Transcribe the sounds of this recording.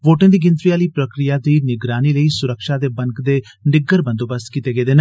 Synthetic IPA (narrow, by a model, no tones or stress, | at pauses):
ʋoːʈẽːd̪iːɡɪ̃nt̪ɾiaːliːpɾəkɾɪjaːd̪iːnɪɡɾaːniːləiːsʊɾəkʃaːd̪eːbəŋkd̪eː | nɖɪɡəɾbə̃nd̪oːbəskit̪eːɡeːd̪eːn